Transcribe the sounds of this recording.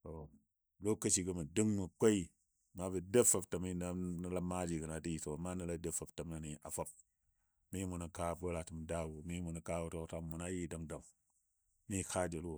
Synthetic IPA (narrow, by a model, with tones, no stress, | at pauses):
to˨ | lo˦kɐ˦ʃi˦kɨ˦mu˨dɨ˦ŋmu˨ko˦i˦˨ | ma˦bi˨de˦fa˦˨ptɐ˨mi˦na˦ni˦la˦ma˦d͡ʒi˨ɡɨ˨na˨di˦˨so˨ma˦nɨ˦la˦de˦fa˨ptɐ˨mna˨ni˨a̰˨fo˦p̚ | mi˦mu˨nu˨ka˦˨bo˦la˨tɨ˨mda˦˨wu˨mi˦mu˨nu˨ka˦wu˦to˦kta˦mu˨na˦ji˦˨dɐ˨ŋdɐ˨ŋ | mi˦kʰa˦˨d͡ʒe˨lwo˨